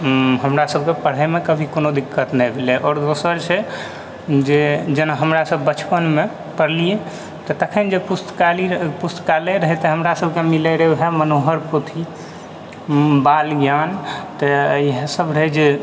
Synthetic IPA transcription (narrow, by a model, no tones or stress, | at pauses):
ɦəmɾasəb̚ʱkepəɽ̤emekəbʱikonod̪ikːət̪nɛjbʱelɛʔɔːɾd̪osəɾt͡ʃʰɛ | d͡ʒed͡ʒənaɦəmɾasəbːət͡ʃʰpənme | pəɾlije | t̪ɔt̪əkʰənd͡ʒepust̪kalipust̪kalɛɾəɦɛt̪ɦəmɾasəbʱkemileɾeɦɛmənoɦəɾpot̪ʰi | balɡjant̪ɔiɦə̃səbɾəɦɛd͡ʒe